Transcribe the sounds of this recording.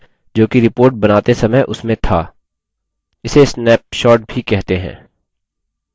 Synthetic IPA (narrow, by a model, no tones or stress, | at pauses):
d͡ʒoːkiɾɪpoːɾʈ̚bɐnaːt̪esɐməjʔʊsmẽt̪ʰaː | ɪsesnɛːp̚ʃɔːʈ̚bʱikɛɦt̪eɦɛ̰̃ː